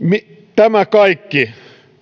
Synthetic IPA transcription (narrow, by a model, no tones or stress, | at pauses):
mi | t̪æmækɑikːi